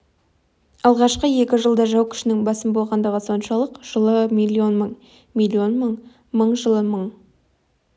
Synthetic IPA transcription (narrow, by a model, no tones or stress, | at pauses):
ɑlˠʁɑʃqəje̞kʲɪʒəlˠd̪ɑʒɑwkʲʰɪ̥ʃɪnɪŋbɑsəmbo̞lˠʁɑnd̪əʁəso̞nʃɑlˠəqʒ̥əlˠəmijlʲˠːio̞nməɴ | mijlʲːio̞nməɴ | məɴʒəlˠəməɴ